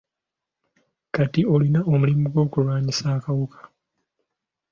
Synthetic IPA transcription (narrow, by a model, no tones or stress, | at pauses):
katio̞linao̞mulimuɡwo̞ːkulwaːɲisaːkawukʰḁ